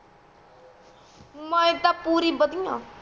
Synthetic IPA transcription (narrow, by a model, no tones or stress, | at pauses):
mə̃et̪aːpuːɾiːbəd̪ijãː